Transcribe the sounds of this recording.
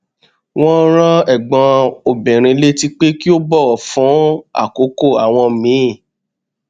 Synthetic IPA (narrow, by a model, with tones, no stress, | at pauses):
w̃ɔ̃˦ɾ̃ã˦ɛ˦˨ɡ͡bɔ̃˧o˨bĩ˨ɾ̃ĩ˧le˦ti˦k͡pe˦ki˦o˦bɔ˦˨ɔ˨fũ˨˦a̰˦˨ko˨˦ko˦˨a˨w̃ɔ̃˧mĩ˨˦˨